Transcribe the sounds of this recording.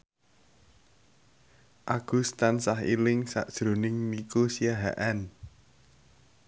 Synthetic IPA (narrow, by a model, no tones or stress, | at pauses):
ʔaɡ̥ṳst̪ansaɦḭlɪŋsa̰ʔd̥ʒ̥ɾo̤nɪŋmikusiaɦa̰ʔan